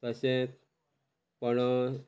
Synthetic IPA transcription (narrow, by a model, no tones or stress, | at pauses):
t̪əsẽ | pəɳ